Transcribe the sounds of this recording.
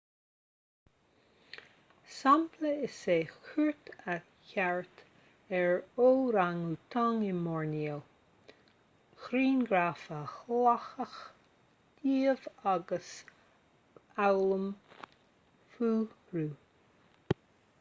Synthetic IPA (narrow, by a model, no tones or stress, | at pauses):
sampʰləɪseːxuɹt̪ʰa | çaɹt̪ | ɛɹoːɾaŋut̪ʰaŋɪnmɔɹniəl | xɾiːnɡɾaːfəxlaxəx | d̥iːəvaɡəs | awləm | fuː | ɾuː